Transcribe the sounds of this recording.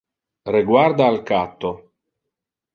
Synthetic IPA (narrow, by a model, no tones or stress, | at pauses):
reɡward̪aːlkat̪ːo